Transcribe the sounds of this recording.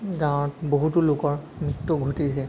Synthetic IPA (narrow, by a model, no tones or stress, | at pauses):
ɡãw̃ɔtboɦutʊlʊkɔɹ | miktuɡʱotisɛ